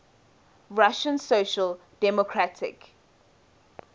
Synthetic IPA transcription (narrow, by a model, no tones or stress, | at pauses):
ɹaʃə̃nsoʃəl | d̥ɛmɔkʰɹatʰɪ̰k